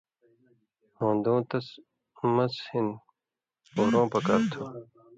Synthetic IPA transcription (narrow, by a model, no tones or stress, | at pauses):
hõːnd̪õːt̪ɐs | mɐshin | poːɾõːpɐkaːɾt̪ʰo